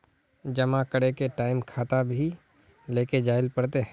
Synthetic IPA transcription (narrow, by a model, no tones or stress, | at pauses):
d͡ʒɐmãkəɽekeʈaːɪmkʰaːt̪abʱi | leːked͡ʒaːɪlpɐɽt̪eɦ